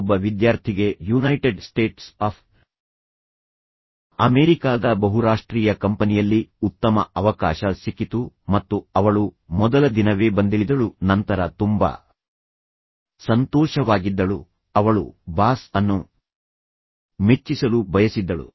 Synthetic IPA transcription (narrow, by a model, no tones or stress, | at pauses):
bːɐʋid̪jaːɾt̪ʰiɡe̞junɐjʈeɖsʈe̞ːʈsaːpʰ | ɐmeːɾikaːd̪ɐbɐɦuɾaːʂʈɾiːjɐkɐmpɐnijɐlːiut̪ːɐmɐɐʋɐka̰ːʃɐsikːit̪u | mɐt̪ːuɐʋɐɭumɔd̪ɐlɐd̪inɐʋe̞ːbɐnd̪iɭid̪ɐɭunɐnt̪ɐɾɐt̪umba̰ | sɐnt̪ɔːʃɐʋaːɡid̪ːɐɭu | ɐʋɐɭṵbaːsɐnːu | met͡ʃːisɐlubʱɐjɐsid̪ːɐɭṵ